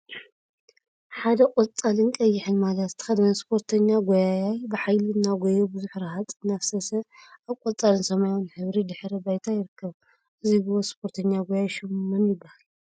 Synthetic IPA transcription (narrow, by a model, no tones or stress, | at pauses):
ħad̪ɐkʼot͡sʼalɨnkʼɐjːɪħɨnmalɐt̪ːʰɐ̥xɐd̪ɐnɐspʰo̞ɾt̪ʰɐɲːaɡojajajbɨħajlɨɨnːaɡojobɨzuħɾahat̪ʼɨnːafsɐsɐʔaβkʼot͡sʼalɨnsɐmajonħɨβɾid̪ɨħɾɐbajt̪ʰajɪɾɨkːɐβ | ʔɨziɡɨβospʰo̞ɾt̪ʰɐɲːaɡojajʃɨmːɨnjɪbːahal